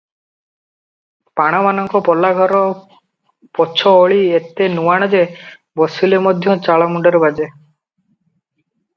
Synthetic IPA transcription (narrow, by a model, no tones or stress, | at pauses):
paɽ̃amanɔŋkɔpɔlːaɡʱɔɾɔ | pɔt͡ʃʰɔoɭiet̪enuwaɽ̃ɔd͡ʒe | bɔsulemɔd̪ʱjɔ̃t͡ʃaɭamuɳɖɔɾebad͡ʒe